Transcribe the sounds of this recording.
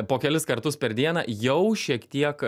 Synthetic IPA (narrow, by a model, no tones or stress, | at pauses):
poːkʲɛlʲɪskɐɾt̪ʊspʲɛɾd̪ʲiɛnɐ̰ːjɛʊʃʲiɛkt̪ʲiɛk